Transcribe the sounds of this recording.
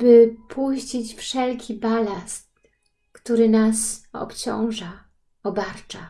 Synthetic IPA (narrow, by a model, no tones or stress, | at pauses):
bɘpʰuɕt͡ɕit͡ɕfʂɛlkʲʰibalast̪̚ | kt̪uɾɘnasɔ̰pt͡ɕɔ̰̃w̃ʐa | ɔbaɾt͡ʂa